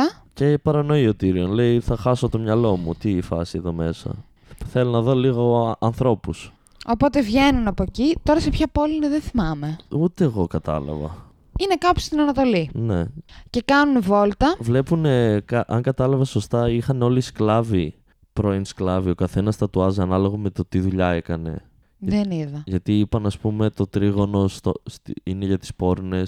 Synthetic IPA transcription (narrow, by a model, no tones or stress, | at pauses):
ɐ | cepɐɾɐno̞io̞t̪iɾio̞nle̞iθɐxɐso̞t̪o̞mɲɐlo̞mut̪iːfɐ̰sieðo̞me̞sɐ̰ | θe̞lonɐðo̞liɣo̞ɐnθɾo̞pus | o̞po̞t̪e̞vʝe̞nunɐpoecit̪o̞ɾɐsepçɐpo̞liniðenθimɐme̞ut̪eːɣo̞kɐt̪ɐ̰lɐ̰vɐ̰ | ine̞kɐpu̥st̪inɐnɐt̪o̞line̞̰ce̞kɐnunvo̞lt̪ɐvle̞pune̞kɐʔɐŋɡɐt̪ɐlɐvɐso̞st̪ɐixɐneo̞lisklɐvi | pɾoinsklɐvio̞kɐθe̞nɐst̪ɐt̪uɐzɐnɐlo̞ɣome̞t̪o̞t̪iðuʎɐe̞kɐne̞̰ | ðeniðɐʝɐt̪iipɐnɐspume̞t̪o̞t̪ɾiɣo̞no̞st̪ost̪iine̞ʝɐt̪i̥spo̞ɾne̞s